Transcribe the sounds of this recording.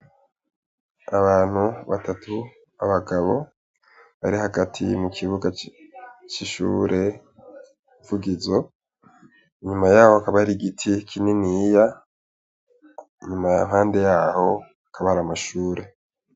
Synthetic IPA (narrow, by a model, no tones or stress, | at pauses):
aβaːn̥huβa̰tatʰu | aβaɡaβo̞̰ | βa̰ɾihaɡatʰḭmukʰiβuɡa | t͡ʃiʃṵːɾʔe̞ | ivuɡizo | iɲumajaːhoakaβahaɾiɡitʰikʰininija | ɲumanhaːnde̞jaːho̞ | akaβahaɾamaʃuːɾe̞